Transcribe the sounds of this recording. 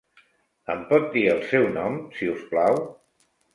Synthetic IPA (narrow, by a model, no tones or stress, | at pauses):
əmpɔt̪̚d̪iəlˠsɛwnɔmsiusplaw